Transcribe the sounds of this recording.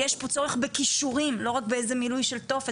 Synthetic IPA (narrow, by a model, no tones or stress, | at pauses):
jeʃpot͡so̞ʁeχbe̞kiʃuʁimlo̞ʁakbeejzemilujʃe̞lto̞fe